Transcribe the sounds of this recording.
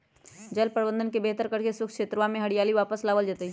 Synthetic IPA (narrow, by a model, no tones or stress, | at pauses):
d͡ʒəlpɾəbə̃nd̪ənkebeːt̪əɾkəɾkesʊkʰʃeːt̪ɾəʋamẽɦɐɽɪjaːliʋaːpəslaːʋəld͡ʒaːt̪ai